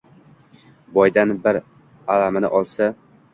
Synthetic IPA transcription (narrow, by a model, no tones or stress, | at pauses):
bɒjd̪anbɪɾ | alamanɪ̰ʔɒlˠsa